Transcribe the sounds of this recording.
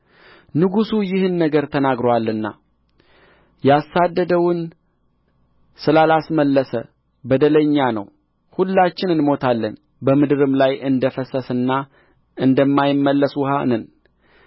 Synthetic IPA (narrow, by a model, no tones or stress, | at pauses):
nɨɡusujɪhɨnːəɡəɾt̪ʰənaɡɾowalːɨnːa̰ | jasːad̪ːəd̪əwʊn | sɨlalasməlːəsə̰ | bəd̪ələɲːanə̰w | hulːat͡ʃːɪnɨnmo̞t̪ʰalːən | bəmɨd̪ɨɾɨmlajʔɨnd̪əfəsəsɨnːa | ɨnd̪əmːajɪmːəlːəswhanən